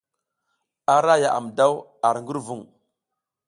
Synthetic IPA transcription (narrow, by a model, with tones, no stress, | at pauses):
a˨ɾa˦ja˨ʔa̰˨m˨da˦w | a˨ɾŋɡu˦ɾvu˦˨ŋ